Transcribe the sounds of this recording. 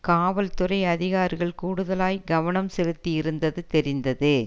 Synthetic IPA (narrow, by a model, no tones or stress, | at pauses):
kaːʋɐlt̪ʊrɐɪɐðɪɣaːɾɣɐɭkuːɽɯðɐlaːjɡɐʋɐɳɐmsɛlɯt̪ːɪjɪɾɯnd̪ɐðɯt̪ɛɾɪnd̪ɐðɯ